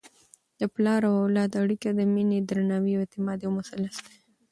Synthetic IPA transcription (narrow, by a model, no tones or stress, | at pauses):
d̪̥əplɑɾawawlɑd̪aɽikad̪əmined̪ɾanɑwiwet̪ɪmɑd̪jawmʊsalːasd̪e